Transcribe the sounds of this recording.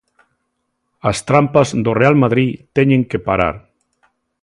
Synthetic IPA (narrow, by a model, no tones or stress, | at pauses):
ast̪ɾampazðorealmaðɾit̪eɲẽŋkepaɾa̰ɾ